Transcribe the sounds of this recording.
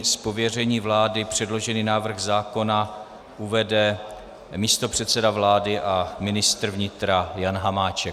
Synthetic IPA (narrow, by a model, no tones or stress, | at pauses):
spo̞vjɛrɛɲiːvlaːdɪpr̝̥ɛdlo̞ʒɛniːnaːvr̩ɣzaːko̞na | ʔuvɛdɛ | miːst̪o̞pr̝̥ɛt̪sɛdavlaːdɪʔamɪnɪst̪r̩vɲɪt̪ɾajanɦamaːt͡ʃɛk